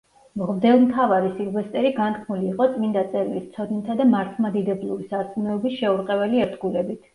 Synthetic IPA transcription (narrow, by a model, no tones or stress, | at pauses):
mʁvd̪ɛlˠmt̪ʰavaɾisilˠvɛst̪ʼɛɾiɡant̪̚kʰmuliːqʼɔt̪sʼmind̪at̪sʼɛɾilist̪sʰɔd̪nit̪ʰad̪amaɾt̪ʰmad̪id̪ɛblˠuɾisaɾt̪sʼumɛɔbisʃɛuɾqʼɛvɛliɛɾd̪ɡulɛbit̪ʰ